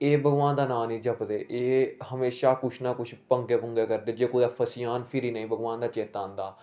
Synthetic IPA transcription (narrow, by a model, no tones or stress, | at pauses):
eːbʱəɡʋaːnd̪aːnãːniːd͡ʒəpd̪eːʔeːhəmeːʃaːkʊt͡ʃʰnãːkʊt͡ʃʰpəŋɡeːpəŋɡeːkəɾd̪eːd͡ʒeːkoːd̪aːpʰəsɪjaːnpʰɪɾiːnəĩːbəɡʋaːnd̪aːt͡ʃeːt̪aːnd̪aː